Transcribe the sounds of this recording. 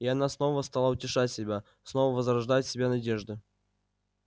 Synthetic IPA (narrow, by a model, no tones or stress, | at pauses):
iɐnasno̞vəst̪alˠaʊtʲɪʂatʲsʲɪbʲa | snovəvəzrɐʐd̪ajɪt̪ʲsʲɪbʲanɐdʲeʐd̪ɨ